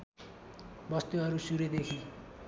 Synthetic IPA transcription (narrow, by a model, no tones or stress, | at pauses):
bʌst̪uʌɾusuɾed̪ekʰi